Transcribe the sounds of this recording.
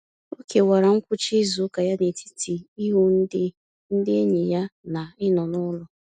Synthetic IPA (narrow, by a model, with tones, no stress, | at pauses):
o˦ke˨wa˨ɾa˨ŋ̩˦kʷʊ˦t͡ʃi˦zu˨˦ka˨ja˦ne˨tʰi̥˦ti˨i˦ɦu˦n̩˦dɪ˦ | n̩˦dɪ˦e˦ɲi˨ja˦na˨ɪ˦nɔ˨nʊ˦lʊ˦